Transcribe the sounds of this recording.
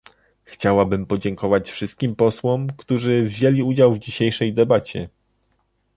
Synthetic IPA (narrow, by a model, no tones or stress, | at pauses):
xt͡ɕawabɘmpɔd͡ʑɛŋkɔvat͡ɕfʂɘst̪̚kʲimpɔswɔmkt̪uʐɘvʑelʲiud͡ʑawvd͡ʑiɕejʂɛjd̪ɛbat͡ɕɛ̰